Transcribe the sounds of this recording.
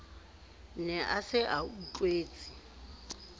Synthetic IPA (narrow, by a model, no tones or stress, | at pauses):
nɛʔasɪʔaut͡ɬʼweːt͡sʼi̥